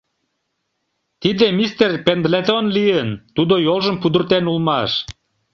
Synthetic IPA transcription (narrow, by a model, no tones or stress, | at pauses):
t̪id̪emist̪erpend̪let̪onlijənt̪ud̪ojolʒəmpud̪ə̆rt̪enulmɑʃ